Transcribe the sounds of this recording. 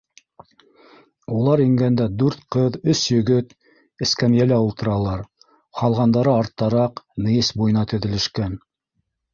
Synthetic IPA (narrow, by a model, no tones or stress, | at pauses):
ulˠɑɾiŋɡænd̪æd̪ʉɾt̪qɤðɵsjɵ̆ɡɵt̪ | ɘ̆skæmjælæulˠt̪ɤ̆ɾɑlˠɑɾ | qɑlˠʁɑnd̪ɑɾɤɑɾt̪ːɑɾɑqnɤ̆jɘsbujɤ̆nɑt̪ɵ̆ðɘ̆lɘ̆ʃkæn